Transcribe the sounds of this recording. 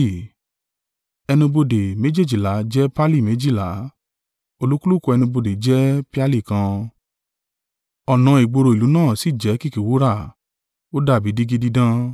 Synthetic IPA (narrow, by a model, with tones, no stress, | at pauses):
ɛ˧nũ˧bo˧de˨mẽ˨˦d͡ʒe˦˨d͡ʒi˨la˨˦d͡ʒɛ˦pa˦li˦˨mẽ˨˦d͡ʒi˦˨la˨˦ | o˧lu˦ku˦lu˦˨ko˧ɛ˧nũ˧bo˧de˨d͡ʒɛ˦pi˦a˦li˦˨kã˧ | ɔ˨nã˧˦i˨ɡ͡bo˧ɾo˧i˨lu˨˦nãː˦˨si˦˨d͡ʒɛ˨˦ki˦ki˨wu˨˦ɾa˦˨ | o˦da˦˨bi˨˦di˦ɡi˦di˦dã˦